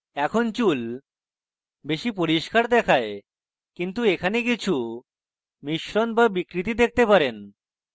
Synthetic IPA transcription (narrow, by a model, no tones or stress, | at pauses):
ɛkʰont͡ɕul | beʃipoɾiʃkaɾd̪ɛkʰae | kint̪uekʰanek̬it͡ɕʰu | miʃɾonbabikɾit̪id̪ek̚ʰt̪epaɾen